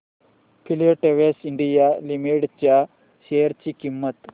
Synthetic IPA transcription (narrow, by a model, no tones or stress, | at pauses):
pʰilioʈeʋesiɳɖijalimiʈt͡ɕja | ɕejəɾt͡ɕiːkimːət̪